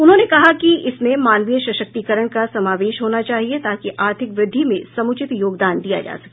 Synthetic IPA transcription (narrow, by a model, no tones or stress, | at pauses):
ʊnɦõːnekɐɦakiɪsmẽmaːnʋijəʃɐʃək̚t̪ikəɾəɽ̃kasɐmaːʋeːʃɦoːnat͡ʃaːɦiet̪aːkiʔaːɾt̪ʰɪkʋɾɪd̪ʱːimẽsɐmʊt͡ʃɪt̪joːɡd̪aːnd̪ija̰d͡ʒa̰ːsɐ̥ke